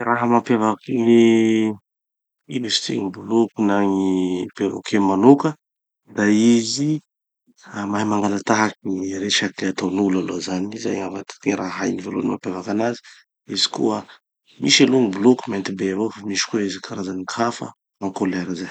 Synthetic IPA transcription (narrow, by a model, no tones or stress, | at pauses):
ɾaɦəmapjavakiŋi | inist̪ʰḭŋibulukunaŋivevo̰kʰemanukə | d̪aizi | amaɦimaŋɡalat̪aɦakiiɾet͡ʃakeat̪awnulalozaniza̰ŋavat̪i̥t̪iɾaɦajnivelonimapjavakanazi̥ | izi̥kṵə | miʃaloŋibulukumant̪ibevofamiʃi̥kuizikʰaɾazanikʰafə̰ | maŋkoleɾazaj